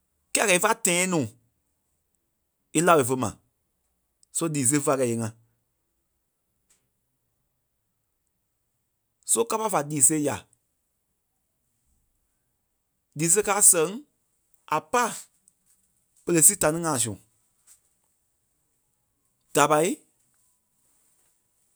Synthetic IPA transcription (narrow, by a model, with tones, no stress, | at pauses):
kɛː˦˨kɛ˨i˦fa˦tɛ̃˨ɛ̃˦nũː˨ | e˦la˧we˨fə˧mã̰˨ | so˦liː˨s̬e˧˦fa˧kɛ˧˨e˨˦ŋã˧˨ | so˦ka˦pa˦fa˨liː˨se˦ja̰˨ | liː˨˦s̬e˦kaː˦sɛ̃˨˦ŋ | a˨pa˦˨ | pə˧le˧si˦ta˧nĩ˦ŋãː˨s̬ũ˨ | d̥a˨pa˧˦i˦